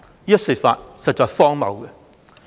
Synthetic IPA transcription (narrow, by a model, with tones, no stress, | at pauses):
iː˥ɐ˥tsi˨˩fa̰ː˧t̚sɐ˨t̚t͡ʃɔː˧jfɔː˥ŋmɐ̰˨wkɛ˧